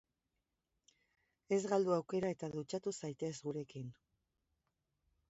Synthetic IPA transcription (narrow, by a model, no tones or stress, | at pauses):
e̞zɣald̪uawke̞ɾae̞t̪aðut͡ʃat̪usajt̪e̞zɣuɾe̞kin